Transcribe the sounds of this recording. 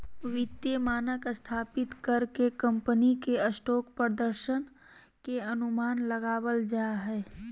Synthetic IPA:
ʋɪt̪jemaːnəkst̪ʰaːpɪt̪kəɾkekə̃mpənikeɐsʈɔːkpɾəd̪əɾʃən | keɐnʊmaːnlɐɡaːwəld͡ʒaːɦɛː

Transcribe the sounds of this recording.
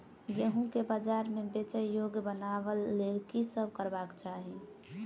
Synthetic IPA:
ɡeɦũkebad͡ʒaɾmẽbet͡ʃəjjoɡbənaʋəlːelkisəb̚kəɾbakt͡ʃaɦi

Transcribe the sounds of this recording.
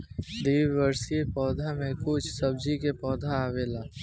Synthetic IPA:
d̪iːʋʋəɾsiepɔːd̪ʱamẽkʊt͡ʃʰsɐb̚d͡ʒikepɔːd̪ʱaaːʋeːlaː

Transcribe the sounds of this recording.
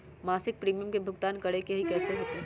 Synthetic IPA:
maːsɪk̚pɾiːmijəmkebʱʊɡt̪aːnkɐɽekeɦikɛːseɦoːt̪e

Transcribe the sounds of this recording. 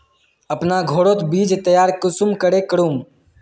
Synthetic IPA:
əpnaɡʱoːɽoːt̪biːd͡ʒt̪əjaːɾkʊsumkəɽekəɽum

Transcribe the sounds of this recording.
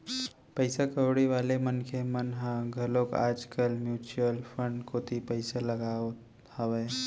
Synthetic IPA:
pəɪsakəʊɽiʋaːlemənkʰemənɦãɡʱəloka̰ːd͡ʒkəlmjuːt͡ʃuəlpʰə̃ɳɖkot̪ʰipəɪsaləɡaːo | həweː

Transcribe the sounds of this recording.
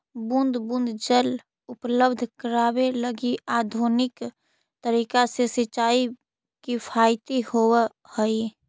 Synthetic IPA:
bũnd̪bũnd̪ʱd͡ʒəl | ʊpləbd̪ʱkəɾaːweləɡiaːd̪ʱunɪk | t̪əɾiːkasesɪt͡ʃaːi | kipʰaːɪt̪ihoːw | həi

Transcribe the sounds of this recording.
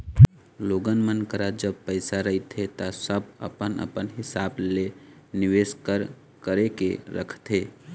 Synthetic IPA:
loɡənmənkəɾad͡ʒəb̚pəɪsaɾəɦit̪ʰɦet̪asəbə̰pənə̰pənɦɪsableniʋeskəɾ | kəɾekḛɾə̰kʰt̪ɦe

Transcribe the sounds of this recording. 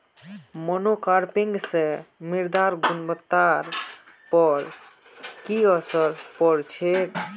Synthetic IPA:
mənokaɾpiŋɡsẽmiɾd̪aɾɡunbət̪ːaɾ | pəɾ | kiəsəɾpɔɾt͡ʃʰek

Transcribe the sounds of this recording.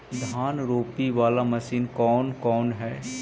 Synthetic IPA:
d̪ʱaːnɾoːpiʋaːlamɐsiːnkɔːnkɔːnɦɛː

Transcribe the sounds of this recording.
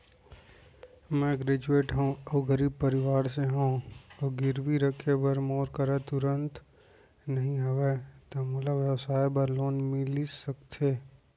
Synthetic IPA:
mɛ̃ɡɾed͡ʒueːʈɦõoɡəɾiːb̚pəɾɪʋaːɾseɦõoɡɪɾʋiɾəkʰebəɾmoːɾkəɾɛt̪ʊɾə̃nt̪ | nəɦĩɦɐʋet̪omulabjəʋsaːjbəɾloːnmɪlisəkt̪ʰe

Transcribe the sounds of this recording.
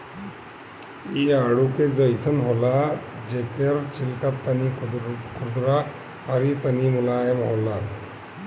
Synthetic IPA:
iaɽuked͡zəjsənɦolad͡ʑekeɾt͡ɕilkat̪ːanikud̪ɾa | aɾit̪animulajəmɦola

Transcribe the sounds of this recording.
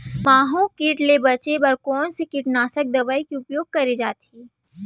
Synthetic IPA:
maːɦũkiːʈlebɐt͡ʃebɐɾkɔːnsekiʈnaːsək̚d̪ɐbaːikiʊpjoːɡ̚kɐɾed͡ʒaːt̪iː

